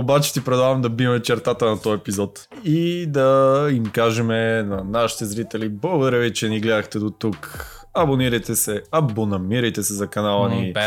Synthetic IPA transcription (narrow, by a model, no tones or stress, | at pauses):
obat͡ʃɛ̥t̪ipɾɛd̪avɐmd̪ɐbimɛt͡ʃɛɾt̪at̪ənɐt̪ɔjɛpizɔt̪ | id̪ɐimkaʒɛmɛnɐnaʃi̥t̪ɛzɾit̪ɛliboɡd̪ɾɛvit͡ʃɛniɡlɛd̪ɐxt̪ɛd̪ot̪uk | ɐboniɾɐjt̪ɛsɛɐbonɐmiɾɐjt̪ɛsɛzɐkɐnalˠɐni